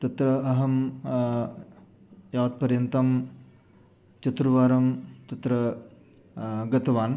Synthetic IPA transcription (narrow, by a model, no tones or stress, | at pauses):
t̪ɐt̪ɾɐɐɦɐm | jaːt̪̚pɐɾjɐnt̪ɐm | t͡ʃɐt̪ɾuʋaːɾɐmt̪ɐt̪ɾɐ | ɡɐt̪ɐʋaːn